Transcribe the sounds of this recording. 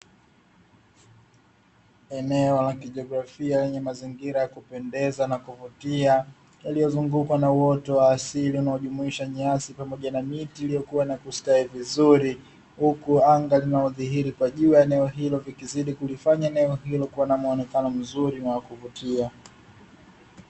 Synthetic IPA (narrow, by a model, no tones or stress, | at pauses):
ɛnɛɔlakiʄɔɡɾafialɛɲɛmaziŋɡiɾajakupɛndɛzanakuvutia | jalijɔzuŋɡukwanauwɔtɔwaːsiliunaɔʄumuiʃaɲasipamɔʄanamitiːlijɔkuwanakustaivizuɾi | hukuaŋɡalinaɔðiɦiɾikwaʄuːjaɛnɛɔɦilɔvikiziɗikulifaɲaɛnɛɔhilɔkuwanamuɔnɛkanɔm̩zuɾiwakuvutia